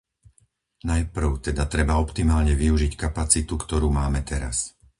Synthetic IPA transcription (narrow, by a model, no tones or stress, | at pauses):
najpr̩ʊt̪ɛd̪at̪ɾɛbaɔpt̪imaːlɲɛʋiuʒickapat͡sit̪ukt̪ɔɾuːmaːmɛt̪ɛɾa̰s